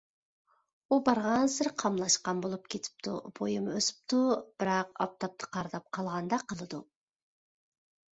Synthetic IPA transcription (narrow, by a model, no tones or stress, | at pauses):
ubɑɾʁɑnsɪɾqʰɑmlˠɑʃqɑnbolˠupkʲʰet̪ʰɪ̥p̚t̪ʰṵb̥ojɨmøsɪ̥p̚t̪ʰub̥ɪɾɑqɑ̰p̚t̪ʰɑp̚t̪ʰə̥qʰɑɾd̪ɑp̚qʰɑlˠʁɑnd̪ɑqʰəlˠɨd̪u